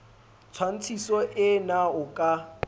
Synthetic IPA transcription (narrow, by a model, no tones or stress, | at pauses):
t͡sʰwan̩t͡sʰisɔʔɪnaʊkʼa